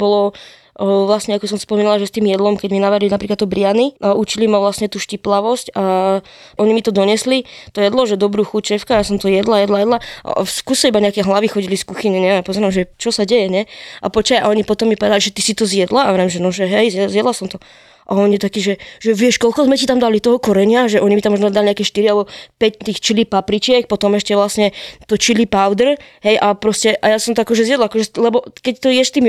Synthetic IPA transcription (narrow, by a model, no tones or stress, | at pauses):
b̥ɔlɔ | ʋlasɲɛakɔs̬ɔmsspɔmiːnalaʒɛst̪iːmjɛd̪lɔmkɛɟminaʋaɾilinapɾiklat̪ːɔbɾɪaniaʔut͡ʃilimaʋlasɲɛt̪uːʃciplaʋɔsca | ʔɔɲimit̪ɔd̪ɔɲɛslit̪ɔjɛd̪lɔʒɛd̪ɔbɾuːxut͡ʃʃɛfkajasɔmt̪ɔjɛd̪lajɛd̪lajɛd̪la̰skusaibaɲɛakɛɦlaʋixɔɟiliskuxiɲɛɲɛɛmapɔzɔɾamʒɛt͡ʃɔsaɟɛjɛɲɛa̰pɔt͡ʃaja̰ɔɲipɔt̪ɔmːipɔʋɛd̪aliʒɛt̪isit̪ɔzjɛd̪laaʋɛɾɛmʒɛnɔʒɛɦɛjzjɛzjɛd̪lasɔmt̪ɔ | ʔaɔɲit̪akiːʒɛʒ̥ɛʋɪɛʃkɔlkɔzmɛcit̪amd̪alit̪ɔɦɔkɔɾɛɲɪaʒɛʔɔɲimit̪amɔʒnɔd̪aliɲɛakɛʃt̪iɾialbɔpɛct̪iːxt͡ʃilipapɾit͡ʃɪɛk̚pɔt̪ɔmɛʃcɛʋlasɲɛt̪ɔt͡ʃilipawd̪rɦɛjʔapɾɔscɛʔajasɔmt̪ɔakɔʒɛzjɛd̪laakɔʒɛlɛbɔkɛct̪ɔjɛʃst̪iːm